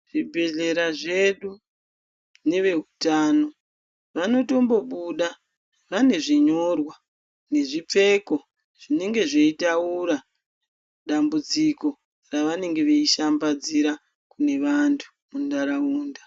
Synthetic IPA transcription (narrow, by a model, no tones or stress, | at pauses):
ʐ̥ibʱe̞ɮe̞ɾaʐe̞ɗu | ne̞ʋe̞ɦutaːno̞ | ʋano̞to̞mbo̞ɓuɗa | ʋane̞ʐiɲo̞rwa | ne̞ʐip͡fe̞ko̞ | ʐ̥ine̞ŋɡe̞ʐeitauɾa | ɗambud͡ziko̞ | raʋane̞ŋɡe̞ʋeiʃambad͡ziɾa | kune̞ʋantʰu̥ | mundaɾauːnda